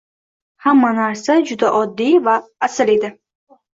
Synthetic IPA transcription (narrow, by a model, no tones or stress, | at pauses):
hamːanaɾsad͡ʒʊd̪aʔɒd̪ːivaːsɪle̞d̪ɪ